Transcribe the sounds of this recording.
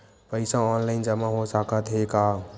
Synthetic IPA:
pəɪsãɔːnlaɪnd͡ʒɐmãɦosakʰət̪ɦekaː

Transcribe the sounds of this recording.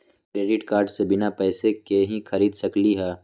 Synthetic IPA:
kɾeːɖɪʈkaːɾɖsebɪnapɛːsekeɦĩxʰɐɾiːd̪sɐkliɦɛː

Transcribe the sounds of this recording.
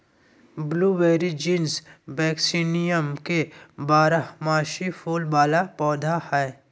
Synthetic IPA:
bluːʋeːɾid͡ʒĩːnsbɛːksinijəmkebaːɾamaːʃifʰoːlbaːlapɔːd̪ʱahɛː

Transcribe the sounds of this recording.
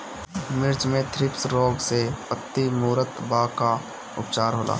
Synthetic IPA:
mɪɾd͡ʒmẽt̪ʰɾɪpsɾoːɡsepət̪ːimuːɾət̪baka | ʊ̰pt͡ʃaːɾɦoːlʔa̰ː

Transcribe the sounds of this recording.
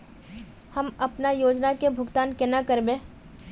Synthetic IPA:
hɐmɐpnajoːd͡ʒnakebʱʊɡt̪aːnkɛnakəɾbẽː

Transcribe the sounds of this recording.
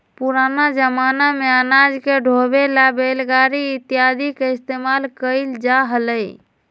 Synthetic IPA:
puɾanad͡ʒəmanameanad͡ʒkeɖʱobelabelɡaɾiːt̪ijad̪ʱikeist̪emalkəɪld͡ʒaɦələj

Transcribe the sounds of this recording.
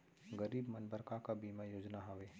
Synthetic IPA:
ɡəɾiːbmɐnbəɾkakabiːmajoːd͡ʒnaɦaʋeː

